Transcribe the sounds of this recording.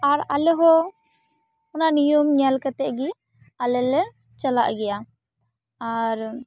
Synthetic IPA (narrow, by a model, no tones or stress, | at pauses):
aɾalɛɦɔ | ʊnanijumɲalkat̪ɛʔɡi | alɛlɛ | t͡ʃala̰ʔɡɛja | aɾ